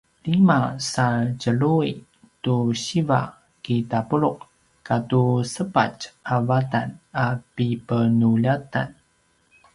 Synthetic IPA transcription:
limasaɭcəɭui | tuɕiva̰ | kitapəɭuq | katusəpa̰t͡ʃavatanapipənuʎata̰n

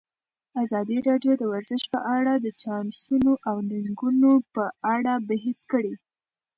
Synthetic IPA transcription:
azɑd̪iɾɑɖjod̪əwaɾzəʃpəʔaɽad̪ət͡ʃɑnsunoʔawniŋɡunopəaɽabəɦet͡skəɽi

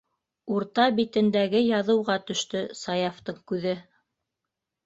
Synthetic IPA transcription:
uɾt̪ɑbit̪ɘ̆nd̪æɡɘjɑðɤ̆wʁɑt̪ɵ̆ʃt̪ɵsɑjɑft̪ɤɴkʉðɘ

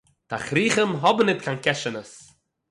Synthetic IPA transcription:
taχɾiːχəmɦɔbnːɪtkʰaːnkɛʃənəs

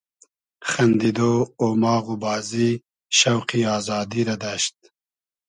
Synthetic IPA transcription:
xɐnd̪id̪oːomɑːɣubɑːzi | ʃɐwqiɑːzɑːd̪iɾɐd̪aʃt̪̚

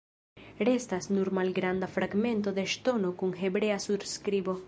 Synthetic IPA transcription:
ɾest̪asnuɾmalɡɾand̪afɾaɡmẽnt̪oðeʃt̪onokuŋxebɾeasuɾskɾibo

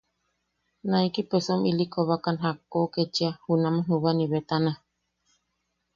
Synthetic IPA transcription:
nãikipesomilikoβakanɦakːoket͡ʃiahunãmãɦuβaniβet̪ana

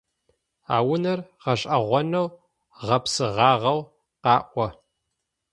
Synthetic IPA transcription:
a̰ːwʊnɐrʁɐɕʼɐʁʷɔnɐw | ʁɐpsɨʁɑːʁɐw | qɑːʔʷɔ

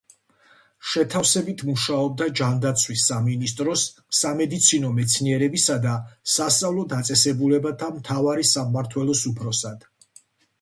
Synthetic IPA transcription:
ʃɛt̪ʰafsɛbit̪ʰmuʃaɔb̚d̪ad͡ʒand̪at̪sʰwisːaminist̪ʼɾɔsː | amɛd̪it̪sʰinɔmɛt̪sʰniɛɾɛbisad̪asast̪sʼavlˠɔd̪at̪sʼɛsɛbulɛbat̪ʰamt̪ʰavaɾisaːaɾt̪ʰwɛlˠɔsupʰɾɔsad̪̥

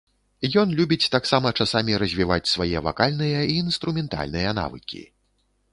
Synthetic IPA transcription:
jɔnlʲubʲit͡sʲt̪aksamɐt͡ʂasamʲiɾɐzʲvʲivat͡sʲsvajɛva̰kalʲnɨjɐiːnst̪ɾumʲɛnt̪a̰lʲnɨjɐna̰vɨ̰kʲḭ

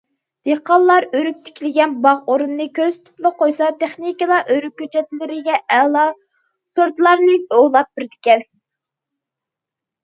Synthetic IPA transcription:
d̪̥eqʰɑlːˠɑɾøɾyk̚ʲt̪ʰɪ̥kʲilɪɡʲɛnbɑʁoɾunɨnɨkʲʰøzt̪ʰʊ̥plˠəqʰojsɑt̪ʰeχnikəlˠɑʔøɾyk̚ʲkʲːøt͡ʃʰɛt̪lɪɾɪɡʲɛɛlˠɑ | soɾt̪lˠɑɾnɨolˠɑp̚b̥ɪɾd̪ɪkʲɛl

